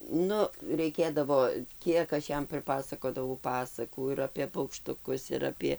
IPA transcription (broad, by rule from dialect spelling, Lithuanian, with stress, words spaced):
ˈnʊ rʲɛɪˈkʲeːdɐʋoː ˈkʲiɛk ɐʃ ˈjɛm pʲrʲɪˈpɑːsɐkoːdɐʋɐʊ ˈpɑːsɐkuː ɪr ɐpʲeː pɐʊkʃtʊˈkʊs ɪr ˈɑːpʲiɛ